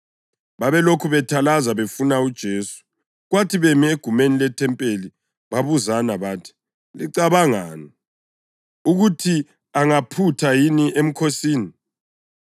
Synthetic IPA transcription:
βaβɛlokʰuβɛtʰalazaβefunaud̥ʒ̥ʱeːsu̥ | ɣwatʰiβɛmieɡ̥ʱumenilɛtʰɛmpʼeli | βaβuzanaβaːtʰi̥ | liǀaβaŋa̰ːnɔ | uɣutʰi | aŋapʰutʰajiniʔem̩kʰosiːni

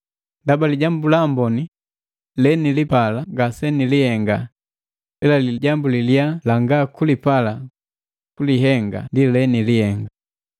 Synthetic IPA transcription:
ndabaliɟambulambɔni | lɛnilipalaɡasɛnilihɛŋɡa | lɛlaliɟambuliljalaŋɡakulipala | kuliɦɛŋɡa̰ndilɛnilihɛŋɡa

